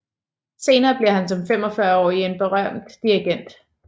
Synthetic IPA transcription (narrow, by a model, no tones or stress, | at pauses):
se̝ːnɐːb̥liɐhænsɒ̽mfem̰ɒ̽fɶɐɒ̰ːie̝nb̥e̝ʁɶm̰d̥ːiɐɡ̥en̰d̥